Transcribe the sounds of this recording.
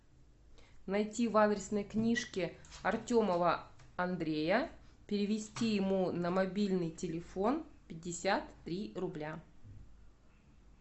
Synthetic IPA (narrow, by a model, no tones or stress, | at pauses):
nɐjtʲivad̪ɾʲɪsnəjknʲiʂkʲɪɐrtʲoməvəɐnd̪ɾʲejəpʲɪɾʲɪvʲɪsʲtʲijɪmunəmɐbʲilʲnɨjtʲɪlʲɪfo̞npʲɪd̚ʲːɪsʲat̪ːɾʲirʊblʲa